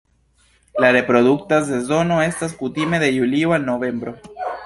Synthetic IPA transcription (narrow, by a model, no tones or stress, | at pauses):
laɾe̞pɾo̞duk̚tazd̪e̞zo̞no̞e̞staskut̪ime̞ðe̞julioalno̞ve̞mbɾo̞